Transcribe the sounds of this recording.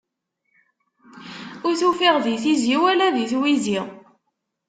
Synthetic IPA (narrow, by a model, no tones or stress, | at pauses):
ʊɾθufiʁðiθiziwælæðiθwiziʁ